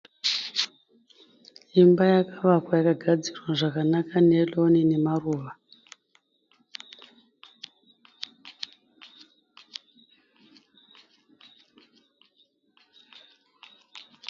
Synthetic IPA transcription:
imbajakaʋakwajakaɡʱad͡zirwaʐakanakanelonine̞maruːʋa

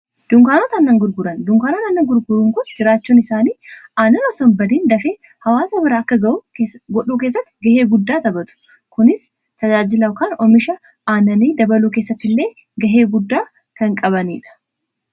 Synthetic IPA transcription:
d̪̥ʊŋkaːnoːt̪ɐnːɐŋɡʊɾɡʊɾɐnd̪ʊŋkaːnot̪ɐnːɐŋɡʊɾɡʊɾuŋkʊnd͡ʒɪɾaːt͡ʃːuːnɪsaːniːʔaːnɐnɐsɔnbɐd̪iːnd̪ɐfeː | hɐwaːsɐbɪɾaːɐkːɐɡɐʔuɡɔɗuːkeːs̬ːɐt̪ːɪ̥ɡɐheːɡʊd̪ːaːt̪ɐbɐt̪ʊ̥ | kʊnɪs | t̪ɐd͡ʒaːd͡ʒɪlɐkaːnɔmɪʃɐ | ʔaːnɐniːd̪ɐbɐluːke̞ːsːɐt̪ːɪlːe̞ː | ɡɐɦe̞ːɡʊd̪ːaː | kɐŋkʼɐβɐniːᶑɐ̥

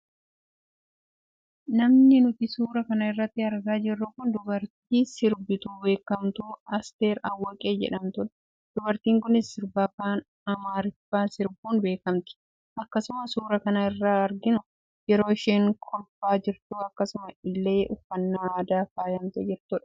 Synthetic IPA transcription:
nɐmnɪnʊt̪ɪsuːɾɐkɐnɐɪrːɐt̪ːɪɐɾɡaːd͡ʒɪrːʊkʊnd̪ʊbɐɾt̪̚iːsɪɾbɪt̪uːbe̞ːkɐmt̪uːɐst̪e̞ːɾɐwːɐkʼeːd͡ʒɛ̰ᶑɐmt̪ʊᶑɐ | d̪̥ʊbɐɾt̪iːŋkʊnɪsːɪɾbaːkaːn | ɐmaːɾɪfaːnsɪɾbuːnbe̞ːkɐmt̪ɪ̥ | ʔɐkːɐsʊmɐsuːɾɐkɐnɐɪrːaːɐɾɡɪnʊ | jɛɾo̞ːɪʃeːŋkʰɔlfaːd͡ʒɪɾt̪uːɐkːɐsʊmɐɪlːeːʔʊfːɐnːaːaːd̪aːfaːjɐmt̪ɛd͡ʒɪɾt̪ʊᶑɐ̥

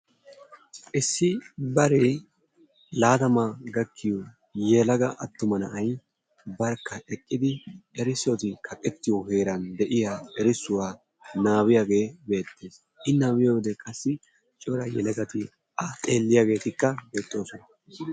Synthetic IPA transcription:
ʔɪsːɪbɐɾe | laːd̪ɐmaːɡɐkʰːɪjo | jɛlɐɡɐʔɐt̪ːʊmɐnɐʔɐj | bɐɾkːɐɛkʼːɪd̪ɪɛɾɪsot̪ɪkʰɐkʼɛt̪ːɪjohe̞ːɾɐnd̪ɛʔɪjaːɛɾɪsːʊwaː | naːwɪjaːɡe̞ːbe̞ːt̪ːe̞ːs | ʔɪnːaːwɪjowd̪ɛkʼɐsːɪ | t͡ʃʼoɾɐjɛ̰lɐɡɐt̪ɪ | ʔɐt̪ʼe̞ːlːɪjaːɡe̞ːt̪ɪkːɐbe̞ːt̪ʼːo̞ːsɔnɐ

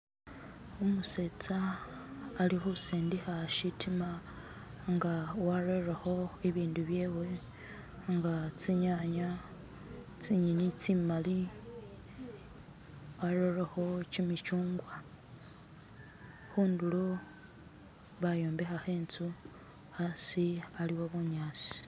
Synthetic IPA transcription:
omuse̞t͡saː | lixusiːndixaʃitʰima | ŋɡawaɾerexo̞eβiːnduβje̞we̞ | ŋɡat͡siɲaɲa | t͡siɲinit͡simali | waɾo̞rexo̞t͡ʃimit͡ʃuːŋɡwa | xuːndulo | βajo̞ːmbe̞xaxe̞ːnt͡su | asialiwoβuɲaːt͡si̥

